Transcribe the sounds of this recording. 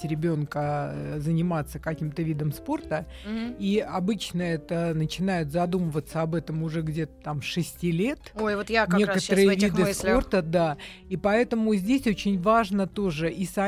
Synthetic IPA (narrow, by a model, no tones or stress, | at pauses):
ɾʲɪbʲo̞nkəzənʲɪmat̪sːəkɐkʲimt̪əvʲid̪əmspo̞rt̪ə | iɐbɨt͡ɕnəɛt̪ənət͡ɕɪnajʊt̪zɐd̪uməvət̪sːəɐbɛt̪əmʊʐɛɡdʲe̞t̪ə̥t̪amʂɨsʲtʲilʲe̞t̪ojvot̪jnʲe̞kət̪əɾɨjəvʲid̪ɨsplo̞rt̪əd̪a | ipɐɛt̪əmʊzʲdʲesʲo̞t͡ɕɪnʲvaʐnət̪o̞ʐɨʔisɐ